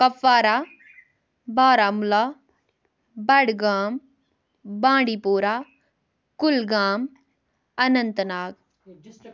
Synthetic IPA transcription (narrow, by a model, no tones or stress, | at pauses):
kɐfaːɾaː | baːɾaːmulaː | bɐɽɡaːm | bãːɳɖipoːɾaː | kʊlɡaːm | ɐnɐnt̪naːɡ